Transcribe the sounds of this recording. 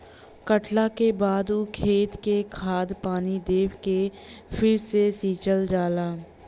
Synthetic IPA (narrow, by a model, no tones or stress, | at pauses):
kəʈlakebaːd̪ukʰeːt̪kekʰaːd̪paːnid̪eːwke | fʰɪɾsesiːt͡ʃəld͡ʒaːlaː